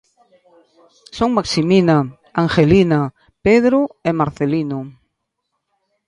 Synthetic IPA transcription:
soŋmaksimina | aŋxelina | peðɾuemaɾθelino

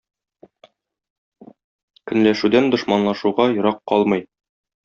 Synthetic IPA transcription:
kɵ̆nlæʃʉd̪ænd̪ŏʃmɑnlˠɑʃuʁɑjŏɾɑqːɒlˠmɤj

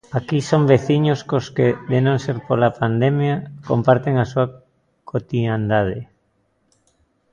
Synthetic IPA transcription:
akisombeθiɲoskoskeðenõŋseɾpolapand̪emjakompaɾt̪eŋasua | kʰot̪iand̪að̞e

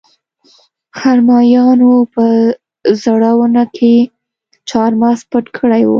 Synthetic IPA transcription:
xaɾmɑjɑnopə | zaɽawənakʰe | t͡ʃɑɾmɑspəʈkʰəɽajwṵ

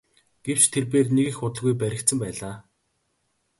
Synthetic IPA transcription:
ɡ̥ew̥t͡ɕt̪ʰerp̬eːrneɣĭxʊt̪ə̆ɮɣujpæɾʲɪ̆k̚t̪sə̆mpæːɮaː

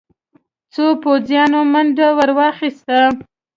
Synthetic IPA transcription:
t͡sopozjɑnomanɖawaɾwɑxist̪a

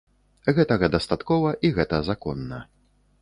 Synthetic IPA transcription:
ɣɛt̪ɐɣɐd̪ɐst̪at̪kɔvɐʔiɣɛt̪ɐzakɔnːɐ

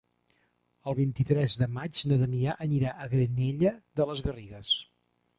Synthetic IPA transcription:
əlˠβint̪it̪ɾɛzðəmad͡ʒnəðəmiaʔəniɾaʔəɣɾəneʎəðələzɣəriɣəs

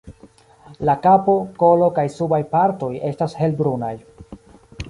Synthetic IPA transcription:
lakapo̞ko̞lo̞kajsubajpaɾto̞je̞stashe̞lbɾunaj

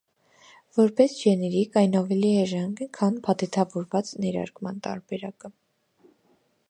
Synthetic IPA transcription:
vɔɾpɛsʒɛnɛɾikɑjnɑvɛliɛʒɛŋɡəkʰɑnpʰɑt̪ɛt̪ʰɑvɔɾvɑt͡snɛɾɑ̰ɾkmɑ̰nt̪ɑ̰ɾbɛɾɑkə

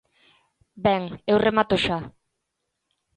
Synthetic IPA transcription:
beŋewremat̪oʃa

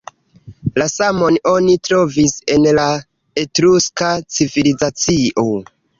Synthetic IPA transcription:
lasamo̞no̞nitɾo̞vise̞nla | etɾuskat͡sivilizat͡siʔo̞

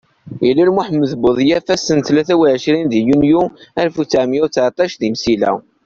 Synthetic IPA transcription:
jilːælmuħəmːəðbəðˤjæfæsːənθlæθæwiʕəʃɾinðjunjuæɾfut͡sːaʕmjʊt͡sːʕt̪ˤɑʃðimsilæ̰

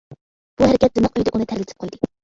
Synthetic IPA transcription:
b̥uhæɾɪkʲɛt̪̚zɪmɨqøjd̪ɨʔunɨt̪ʰæɾlɪt̪ʰɪ̥p̚qʰojd̪ɨ

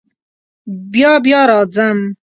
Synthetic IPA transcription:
bjɑːbjɑːɾɑːd͡zam

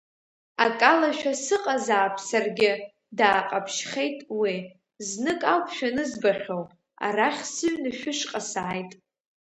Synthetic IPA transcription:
akʼalaʃᶣasɨqʼazaːpʰsarɡʲɪ | daːqʼapʰʃχʲe̞jtʼwi | znɨkʼawpʰʃᶣanɨzbaχʲow | a̰raχʲsɨɥnɨʃᶣʊʂqʼasaajtʼ

